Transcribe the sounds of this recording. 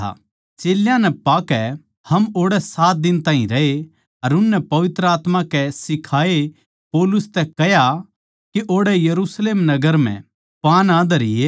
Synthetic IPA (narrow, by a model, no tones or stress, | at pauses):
t͡ʃeːljãnɛpaːkɛ | hɐmoːɽɛsaːt̪̚d̪ɪnt̪ãːɦḭ̃ɾɐe | ɐɾʊnːɛpɐʋɪt̪ɾəaːt̪mãkɛsɪkʰaːe | poːlʊst̪ɛkɛɦja | keʔoːɽɛjɐɾuːsleːmnɐɡəɾm̤ɛ̰̃ | paːnaːd̪ɐɾɪ̰e